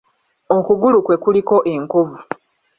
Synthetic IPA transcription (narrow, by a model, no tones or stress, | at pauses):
okuɡulukwe̞kuliko̞ʔe̞ŋkovu